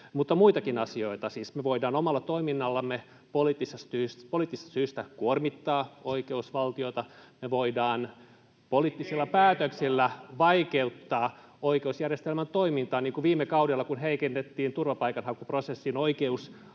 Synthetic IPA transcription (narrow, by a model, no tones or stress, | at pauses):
mut̪ːɑmuit̪ɑkinɑsioit̪ɑsiːsmeʋoidɑːnomɑlːɑt̪oiminːɑlːɑmme | polit̪ːisest̪yspoliːt̪ːist̪ɑsyːst̪ækuormit̪ːɑːoikeusʋɑlt̪ioit̪ɑmeʋoidɑːn | poliːˑt̪ːisilːɑpæːt̪øksilːæʋɑikeut̪ːɑː | oikeusjærjest̪elmænt̪oimint̪ɑːniːŋkuʋiːmːekɑudelːɑkunɦeikenːet̪ːiːnt̪urʋɑpɑikɑnhɑŋkuprosesːinoikeus